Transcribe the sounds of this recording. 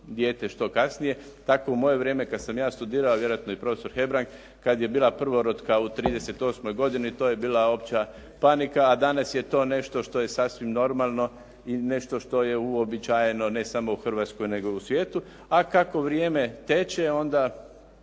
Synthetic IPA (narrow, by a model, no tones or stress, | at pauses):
d̪jeːt̪eʃt̪o̞kasnije̞ | t̪ako̞umo̞je̞ʋɾje̞ːme̞kad̪samjaːst̪ud̪iːɾaoʋje̞ɾojat̪noipɾo̞feso̞ɾxe̞bɾaŋk | kad̪je̞biːlapr̩ʋo̞ɾot̪kaut̪ɾiːd̪e̞se̞t̪o̞smo̞jɡo̞d̪init̪o̞ːje̞biːlaopt͡ɕa | panikaːd̪anasjet̪o̞ːne̞ʃt̪o̞ʃt̪o̞je̞sasʋimno̞ɾmalˠno̞ | ine̞ʃt̪o̞ʃt̪o̞je̞uobit͡ʃaje̞no̞ne̞samo̞uxrʋat̪sko̞jne̞ɡo̞usʋjeːt̪u | akako̞ʋɾjeːme̞t̪et͡ɕeo̞nd̪a